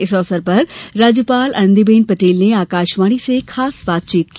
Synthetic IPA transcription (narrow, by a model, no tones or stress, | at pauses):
ɪsɔːsəɾpɐɾɾaːd͡ʒjəpaːlʔɐ̰ñnd̪ibeːnpɐʈeːlneaːkaːʃʋaːɽ̃isekʰaːsbaːt̪̚t͡ʃiːt̪̚ki